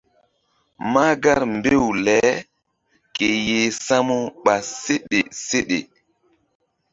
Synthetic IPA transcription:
ma˦ɡa˦ɾmbe˦wlɛ˨˦ | ke˨je˨sa˦mu˦ɓa˨se˦ɗe˨se˦ɗe˨

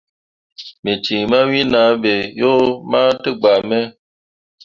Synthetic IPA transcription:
me˨t͡ʃĩ˨ma˦wĩ˦na˨˦be˨jo˦ma˦tɨ˦ɡ͡ba˨mɛ˦

